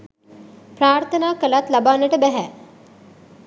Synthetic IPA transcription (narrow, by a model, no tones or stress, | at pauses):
pɾaːɾt̪ʰənaːkəlat̪labaːnəʈəbæɦæ